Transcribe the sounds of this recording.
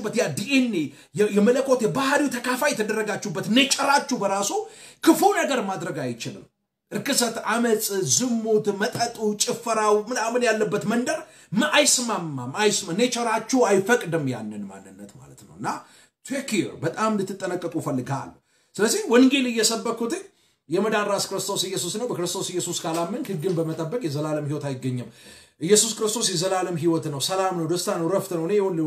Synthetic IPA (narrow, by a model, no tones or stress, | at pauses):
bːət̪jad̪iʔenːe | jɛmələkʰːo̞t̪jɛbahɾiwt̪ʰəkʰafajɛt̪ʰəd̪ərːəɡat͡ʃːubːət̪net͡ʃʼɛɾat͡ʃːubəɾasukʰɨfunəɡəɾmad̪ɾəɡajt͡ʃɪlɨ̰m | ʔɨɾkɨsət̪amət͡sʼzɨmːot̪mət̪ʼət̪ʼut͡ʃʼɪfːɨɾawmɨnamɨnjalːəbːət̪mənd̪əɾ | mɨʔajsɨmamːamajsmanet͡ʃʼəɾat͡ʃːuajfəkʼd̪ɨmja̰nːɨnma̰nːɨnːət̪ma̰lət̪nə̰wɨnːa | t̪ʰekʰiɾbət̪ʼamlɨt̪ːɨt̪ʼːənəkʼːəkʼufəlːɨɡa̰l | sɨləzːiwɔnɡelɨjːɛsəbːəkʰːut̪ʰe | jɛməd̪anɾaskɨɾɨst̪ʰo̞sɨjːɛsusnəwbəkɨɾɨst̪ʰo̞sɨjːɛsuskʰalamːɨnhɨɡːɨmbəmət̪ʼəbːəkʼjɛzəlaləmhiwɔt̪ajɪɡːəɲːɨmʔɨjːɛsuskɨɾɨst̪ʰo̞sjɛzəlaləmɦiwɔt̪nəwsəlamnəwd̪əst̪ʰanəwɾəft̪nəwnejɛhol